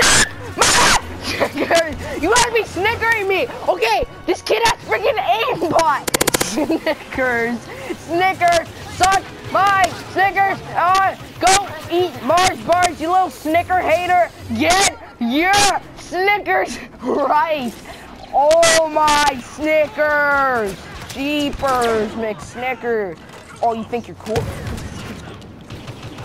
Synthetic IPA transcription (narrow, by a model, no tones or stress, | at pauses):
maɪæsɪkə˞zjɨmaɪt̚b̥isnɪkə˞ɪ̃ŋmioʊkeɪðɪskʰɪɾætsfɹɪɡɨ̃nẽɪ̃mbaɪsnɪkʰə˞z̥ | snɪkə˞z̥ | sʌk | maɪsnɪkə˞zʌ | ɡ̥oʊit̚mɑɹzbɑɹzjə˞lɪɾl̩ˠsnɪkə˞heɪɾə˞ɡɛt̚ | jə˞ | snɪkə˞zɹaɪt̚ | oʊmaɪsnɪkə˞z̥t͡ʃʰipə˞zmeksnɪkə˞z | oʊjɨθɪ̃ŋkjə˞kʰulˠ